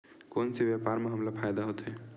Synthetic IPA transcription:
konsebjapaɾmeɦəmlapʰajd̪aɦot̪e

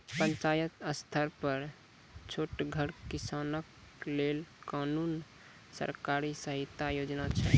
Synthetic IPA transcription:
pənt͡ʃajət̪əst̪ʰəɾpəɾ | t͡ʃʰoʈɡʱəɾkisanək | lelkanun | sə̰ɾkaɾisəɦit̪ajod͡ʒnat͡ʃʰɛ̰

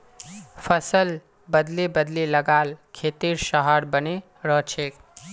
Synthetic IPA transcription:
pʰəsəl | bəd̪libəd̪liləɡalkʰet̪iɾsəɦaɾbəne | ɾʌɦt͡ʃʰek

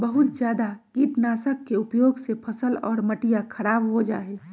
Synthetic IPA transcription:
bəɦʊt̪zjaːd̪akiʈnaːsəkːeʊpjoːɡsepʰəsəlɔ̰ːɾməʈijakʰɐɾaːbɦod͡ʒa̰ːɦɛː

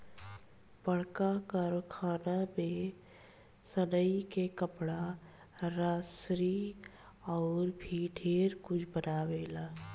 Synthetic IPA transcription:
bəɽ̤kakəɾkʰaːnamẽ | sənəikekəpɽa | ɾaːsɾi | ɔːɾbʱiɖʱeːɾkʊt͡ʃʰbənaːweːlaː

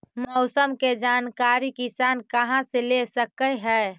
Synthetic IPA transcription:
mɔʊsəmked͡ʒaːnkaɾikisaːnkəɦãselesəkəɦɛː

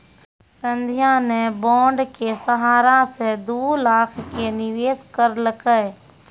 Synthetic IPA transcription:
sə̃nd̪ʱjanebɔ̃ːɳɖkesəɦaːɾased̪uːlaːkʰkenɪʋeːskəɾləkə

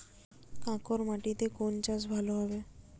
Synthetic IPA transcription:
kãkɔɾmaʈit̪ekont͡ʃasbʱaloɦɔbe

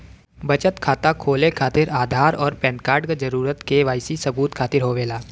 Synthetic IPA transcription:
bɐt͡ʃət̪kʰaːt̪akʰoːlekʰaːt̪ɪɾaːd̪ʱaːɾɔːɾpɛ̃ːnkaːɾɖkad͡ʒɐɾuːɾət̪keʋaːɪsisɐbuːt̪kʰaːt̪ɪɾɦoʋeːlaː

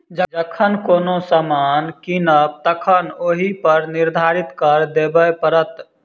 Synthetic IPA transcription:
d͡ʒəd͡ʒəkʰənkoːnosəmaːnkinəb̚t̪əkʰənoːɦipəɾnɪɾd̪ʱaːɾɪt̪kəɾd̪eːbəpəɾət̪

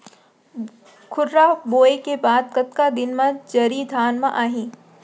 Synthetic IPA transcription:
kʰʊɾɾaboːekebaːd̪̚kɐt̪kad̪ɪnmɐ̃d͡ʒɐɾid̪ʱaːnmãʔaːɦĩː

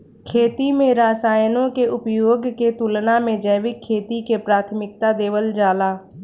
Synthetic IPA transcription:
kʰeːt̪imẽɾaːsaːjnõkeʊpjoːɡket̪ʊlnamẽd͡ʒəːʋɪkʰːeːt̪ikepɾaːt̪ʰmɪk̚t̪ad̪eːʋəld͡ʒaːlaː

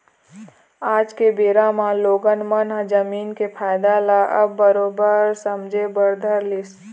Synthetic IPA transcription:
aːd͡ʒkebeːɾamãloːɡənmənɦd͡ʒəmiːnkepʰaːjɪd̪alaʔə̰bːəɾoːbəɾsəmd͡ʒʱebəɾd̪ʱəɾlɪs

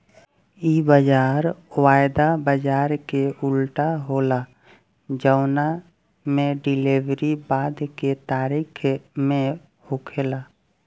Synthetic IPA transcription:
ibəd͡ʒaːɾwaːɪd̪abəd͡ʒaːɾkeʊlʈaɦola | d͡ʒəʊna | mẽɖɪliʋɾibaːd̪ket̪aːɾiːkʰmẽ | hʊkʰelaː

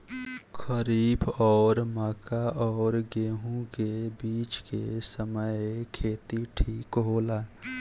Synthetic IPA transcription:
xʰəɾiːbɔːɾmaːkaʔɔːɾɡeːɦũkebiːt͡ʃkesəməjkʰeːt̪iʈʰiːkɦoːlaː

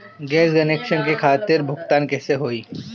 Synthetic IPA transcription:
ɡɛːskɐneːkʃənkekʰaːt̪ɪɾbʱʊɡt̪aːnkɛːseɦoːiː

